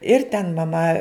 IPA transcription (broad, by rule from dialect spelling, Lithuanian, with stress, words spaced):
ɪr tʲɛn mɐˈmɐ